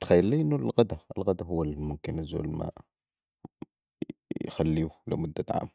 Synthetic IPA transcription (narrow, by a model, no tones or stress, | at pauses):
t̪xæjːəlːiːʔɪnːʊlɣad̪aəlɣad̪aɦʊwːælmʊmkɪnjəzṵːlma̰ | jxalːiːulɪ̰mʊd̪ːaʕa̰ːm